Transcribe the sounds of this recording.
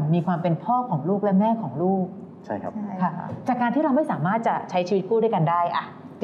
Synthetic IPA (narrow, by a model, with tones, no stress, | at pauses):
miː˧kʰwaː˧mpe˧npʰɔː˥˩kʰɔː˩˦ŋluː˥˩k̚lɛ˦˥mɛː˥˩kʰɔː˩˦ŋɾuː˥˩k̚ | t͡ɕʰa˦˥˩kʰa̰˦˥kʰa˥˩t͡ɕaː˨˩kːaː˧nt̪ʰiː˥˩ɾa˧wma˥˩jsaː˩˦maː˥˩t̪̚t͡ɕa˨˩t͡ɕʰa˦˥jt͡ɕʰiː˧wi˦˥t̪̚kuː˥˩du˥˩jka˧ndaː˥˩jʔa˨˩